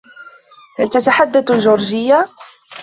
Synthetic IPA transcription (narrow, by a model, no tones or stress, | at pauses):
halt̪at̪aħad̪ːad̪lʒʊɾʒɪjːa